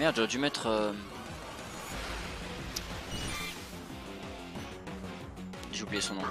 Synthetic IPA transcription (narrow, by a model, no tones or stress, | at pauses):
mɛʁd̪ʒɔʁɛd̪ymɛt̪χø | ʒəvubliesɔ̃nɔ̃